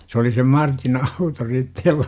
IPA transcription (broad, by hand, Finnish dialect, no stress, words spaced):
se oli sem mɑrtin ɑuto sitːe jolːɑ